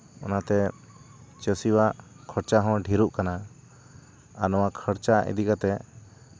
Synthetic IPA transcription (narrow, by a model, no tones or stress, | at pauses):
ɔ̰nat̪ɛ | t͡ʃəsiwaʔkʰəɽt͡ʃaɦɔ̃ɖʱiɾuʔkana | anɔwakʰəɽt͡ʃaʔḭd̪ikat̪ɛ